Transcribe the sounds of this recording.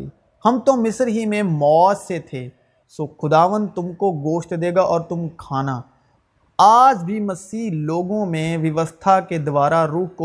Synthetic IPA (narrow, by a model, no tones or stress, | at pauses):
hɐmt̪omɪsɾɦimẽmɔːset̪ʰeː | soːxʊd̪aːʋə̃nd̪̚t̪ʊmkoɡoːʃt̪d̪eːɡaʔɔːɾt̪ʊmkʰaːna | aːd͡ʒbʱimɐsiːɦloːɡõmẽʋɐʋəst̪ʰaked̪ʊʋaːɾaɾuːɦko